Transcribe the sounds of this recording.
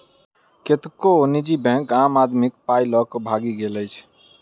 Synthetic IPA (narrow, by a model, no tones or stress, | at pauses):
ket̪konid͡ʒibɛ̃ŋkaːmad̪mik̚pailɔkbʱaɡiɡeləjt͡ʃʰ